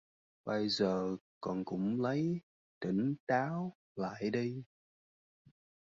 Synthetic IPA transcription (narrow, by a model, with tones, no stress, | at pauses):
ɓə˧jzəː˨˩kɔ˨˩nkʊ̰˧˥ŋ͡mlə˨˦j | t̪ï˧˩ŋ̟t̪aː˨˦w | la̰ː˧˨jɗi˧